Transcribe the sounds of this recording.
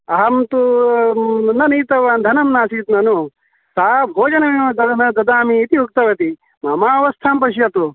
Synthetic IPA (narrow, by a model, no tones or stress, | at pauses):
ɐɦɐmt̪u | nɐniːt̪ɐʋaːnd̪ʱɐnɐmnaːsiːt̪nɐnu | saːbʱoːd͡ʒɐnɐmiɐd̪ɐnɐd̪ɐd̪aːmiːt̪iuk̚t̪ɐʋɐt̪i | mamaːɐʋɐst̪ʰaːmpɐʃ̬jɐt̪u